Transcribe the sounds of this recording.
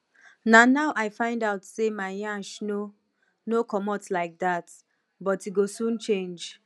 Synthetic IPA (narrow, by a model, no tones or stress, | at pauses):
nanaʊʔaɪfãɪ̃ndaʊtsemaɪjãʃno | nokɔmɔtlaɪk̚dat | bɔtiɡosũnt͡ʃẽnd͡ʒ